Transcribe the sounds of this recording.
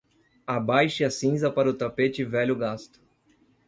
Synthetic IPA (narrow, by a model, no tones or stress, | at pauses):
abajʃɪɐsĩzɐpaɾɐʊt̪apet͡ʃɪvɛʎʊɡast̪ʊ̥